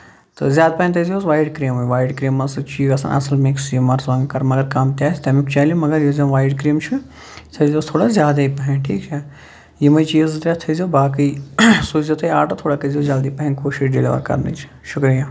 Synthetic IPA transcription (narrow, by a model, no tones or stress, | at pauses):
t̪ɨ̰zjaːd̪̚pɐĩnʲt̪ʰɐzoːsʋaːjɖkɾiːmuʋaːjɖkɾiːmːɐsɨt͡ʃiːɡɐsɐ̰nʔɐ̰sɐlmeksjimɐɾsʋãːŋɡkɐɾmɐɡɐɾkaːmt̪ʲjaːsʲt̪ɐmikt͡ʃaːlimɐɡɐɾjizɐ̃ʋaːjɖkɾiːmt͡ʃʰu | sʰɐzʲost̪ʰoːɽazʲjaːd̪aipɐɦĩnʈʰiːkt͡ʃʰɐ | jimɐjt͡ʃiːzɨt̪ɾʲet̪ʰɐzʲobaːkisuːzot̪ʰɐjaːʈɐt̪ʰoːɽakɐzozaːld̪iːpɐɦĩnkoːʃiʃɖilḭʋɐ̰ɾkɐ̰ɾnɐ̰t͡ʃʰi̥ | ʃʊkɾijaː